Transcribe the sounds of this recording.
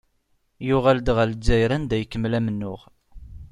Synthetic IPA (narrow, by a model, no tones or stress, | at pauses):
jʊʁæld̪ʁælzːæjɾænd̪æjəkːəmːlæmənːʊʁ